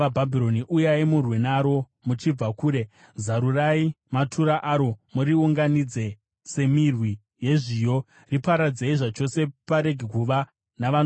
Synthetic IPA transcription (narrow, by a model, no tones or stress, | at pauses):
abʱabʱiɾo̞niʔujaimurwenaɾo̞ | mut͡ʃib͡vakuːɾe̞ | zaɾurai | matʰuɾaʔaɾo̞muɾiuŋɡanid͡ze | se̞mirwi | je̞ʐiːjo̞ | ripaɾad͡zeiʐat͡ʃo̞se̞paɾe̞ɡʱekuʋa | naʋan